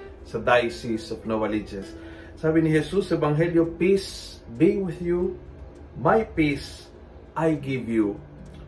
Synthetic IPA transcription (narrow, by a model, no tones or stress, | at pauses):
sɐd̪ajsisɔvnowɐlid͡ʒɛsː | aːbɪnɪɦɛsusɐɛvaŋɦɛljopis | biwɪðju | majpis | ʔajɡɪvju